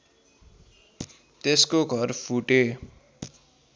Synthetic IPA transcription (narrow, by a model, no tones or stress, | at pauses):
t̪eskoɡʱʌrpʰuʈe